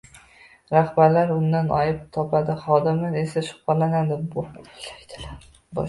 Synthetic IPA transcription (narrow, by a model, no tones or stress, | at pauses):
ɾahbaɾlaɾʊnd̪anʔɒ̰jɪp̚t̪ʰɒpʰad̪ɪχɒd̪ɪmɪɾe̞saʃʊ̥qɑlanad̪ɪbʊlajd̪̥ɪlaɾ | bɒ̰